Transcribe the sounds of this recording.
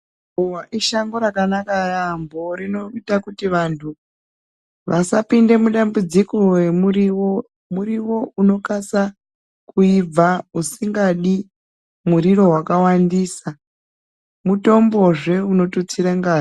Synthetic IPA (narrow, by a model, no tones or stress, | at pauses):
owaʔiʃaŋɡoɾakanakarambo̞rino̞itakutiʋantʰu | ʋʔasapinde̞muɗambud͡zikowemuiw | muɾiwo̞uno̞kasa | kuib͡vausiŋɡaɗi | muɾiɾo̞wakawandiːsa | muto̞mbo̞ʐe̞uno̞tut͡siɾeŋɡaː